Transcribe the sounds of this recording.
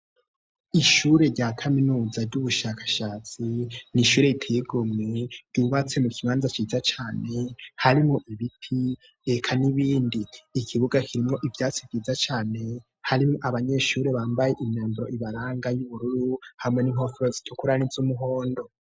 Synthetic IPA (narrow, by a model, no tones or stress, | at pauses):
iʃuːɾe̞ɾɟaːkʰaminuːzaɾɟuβuʃakḁʃaːt͡siniʃuːɾe̞itʰeiɡomŋeɾɟ̥uβat͡se̞mukʰiβaːnzat͡ʃiːzat͡ʃaːne̞haɾimŋoʔiβitʰi | ekʰaniβiːndiːkʰiβuɡakʰiɾimŋo̞ʔivjaːt͡sivjiːzat͡ʃaːne̞ | haɾimŋoʔaβaɲe̞ʃuːɾe̞βaːmbaje̞ʔimɲaːmbiɾoʔiβaɾaːŋɡajuβuɾuɾuhamŋe̞niŋo̞fɾozi̥tʰukuɾanizumuɦo̞ːndo̞